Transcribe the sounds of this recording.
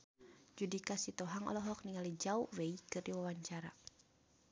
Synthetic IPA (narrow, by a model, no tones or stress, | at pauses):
d͡ʒudikasit̪ɔɦaŋɔ̰lɔɦɔk̚niŋalid͡ʒauweikɨrdiwawaɲt͡ʃaɾa